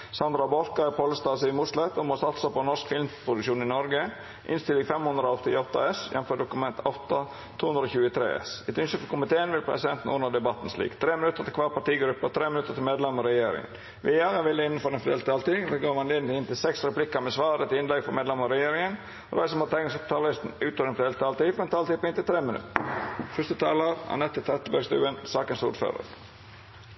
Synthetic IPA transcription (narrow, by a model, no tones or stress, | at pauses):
sɑnd̪ɾɑbɔɾkɑɛpʰoːləst̪ɑːsɪmuslɛt̪ɔmoːsɑt̪sɔpːɔnɔʂkfɪlmpʰɾʊd̪ʉkʂuːnɪnɔɾɡə | ʔɪ̰nst̪ɪlɪŋfɛmhʉnd̪ɾəoɔt̪ːɪ̰ɔt̪ːɑ̰ɛsjɛ̰nfɔɖ̪ʊkʉmɛnt̪ʰɔt̪ːɑ | t̪ʰuːhʉnd̪ɾəoːçʉːət̪ʰɾḛːɛ̰sɛt̪ʉnʃəfɔkʰʊmɪt̪ʰeːənʋɪlpʰɾɛ̰sɪd̪ɛnt̪n̩ʊnəd̪ɛbɑt̪ːn̩slḭːkt̪ʰɾeːmɪnʉt̪ːəɾt̪ʰɪlkʰʋɑːɾpɑʈiːɡɾʉpːət̪ʰɾeːmɪnʉt̪ət̪ɪlmeːd̪lɛməɾɛjeːɾɪ̰ŋə̰n | ʋɪjæːʁəʋɪlːəɪnːnfɔɾɛnfɾḛːlt̪ʰɑːlt̪id̪ɛɡoːmɑnlɪnnɪnt̪ɪlsɛksɾɛplɪkːəmɛsʋɑːɾət̪ɪnlɛɡfɔmeːdlɛməɾɛjeːɾɪŋən | ɾɑ̰ɪsəmhɑt̪ʰɛɪɡɪsɔp̚t̪ʰɑllɪst̪n̩ʉːt̪ʰɔɾɛnfɾeːlt̪ʰɑːlt̪iːfɔɾɛnt̪ʰɑːlt̪iːpɔɪnt̪ɪlt̪ʰɾeːmɪnʉ̰t̪əfœst̪ət̪ʰɑːləɾɑ̰nɛt̪ːət̪ʰɛt̪əbæɡst̪ʉ̰ːənsɑːkənsuːɾfø̰ːɾə̰ɾ